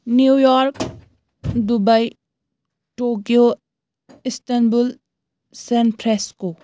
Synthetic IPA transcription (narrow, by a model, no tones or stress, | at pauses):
nujɔɾk | dubaj | tokio | istɐnbul | senpʰɾesku